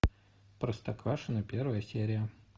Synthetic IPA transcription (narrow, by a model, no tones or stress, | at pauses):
pɾəst̪ɐkɾaʂɨnəpʲervəjəsʲeɾʲɪjə